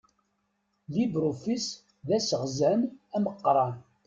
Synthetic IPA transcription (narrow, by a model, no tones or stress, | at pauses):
libɾofis | ðæsəʁzʕənæməqːɾˤɑn